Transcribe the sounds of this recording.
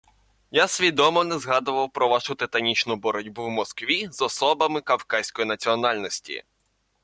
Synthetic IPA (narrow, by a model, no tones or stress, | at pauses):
jasʲʋʲid̪ɔmɔnɛzɦɑd̪ʊʋɐwpɾɔʋɑʃʊt̪ɪt̪ɐnʲit͡ʃnʊbɔɾɔdʲbuwmɔskʋʲizɔsɔbɐmɪkɐwkɑsʲkɔjinɐt͡sʲiɔnɑlʲnɔsʲtʲḭ